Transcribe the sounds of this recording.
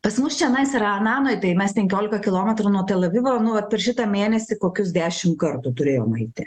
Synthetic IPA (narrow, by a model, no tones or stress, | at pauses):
pɐsmʊst͡ʃʲɛɐnɐɪsɾɐɐnɑːnoːɪt̪ɐɪmʲɛspʲɛŋʲkʲoːlʲɪkɐkʲɪlˠoːmʲɛt̪ɾuːnuɔt̪ʲɛlˠɐʋʲɪʋoːnʊʋɐt̪̚pʲɛɾʃʲɪt̪ɐmʲeːnʲɛsʲɪkoːkʲʊsd̪ʲæːʃʲɪmkɐrt̪uːt̪ʊɾʲeːjoːmɐɪt̪ʲɪ